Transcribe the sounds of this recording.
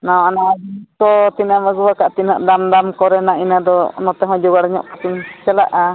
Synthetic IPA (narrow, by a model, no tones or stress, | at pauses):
nawanakɔt̪inaməɡuwakaʔt̪inəʔd̪amd̪amkɔɾɛnainad̪ɔnɔt̪ɛɦɔ̃d͡ʒɔɡaɽɲɔ̰ʔpat̪uɲt͡ʃɛla̰ʔa